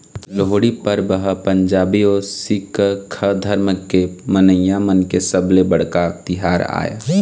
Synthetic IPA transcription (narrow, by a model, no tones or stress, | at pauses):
loɦoɽipəɾbəɦpə̃ɲd͡ʒaːbiosɪkkʰəd̪ʱəɾməkːemənəjãmənkesəblebəɽ̤kat̪ɪɦaːɾa̰ːja̰ː